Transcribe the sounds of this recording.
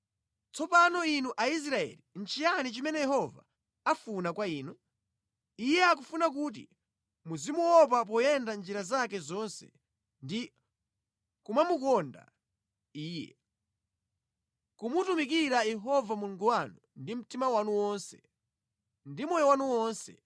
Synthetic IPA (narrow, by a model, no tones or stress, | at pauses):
t͡sɔpanɔinuʔais̬ɾaɛ̰lin̩t͡ʃijanit͡ʃimɛnɛjɛɦɔva̰ | afunakwaiːnu | ijɛak̬ufunak̬ut̬ḭ | muzimuwɔp̬ap̬ɔjɛndand͡ʒiɾazakɛzɔnsɛ̥̰ | ndi | kumamukɔnda̰ | iːjɛ̰ | kumutumikiɾajɛɦɔvamuluŋɡuwanundim̩timawanuwɔnsɛ̥̰ | ndimɔjɔwanuwɔːnsɛ̰